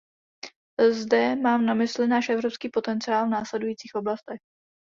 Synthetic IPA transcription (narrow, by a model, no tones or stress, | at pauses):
zdɛmaːmnamɪslɪnaːʃʔɛvɾopskiːpo̞t̪ɛnt͡sɪaːlvnaːslɛdujiːt͡siːxʔo̞blast̪ɛx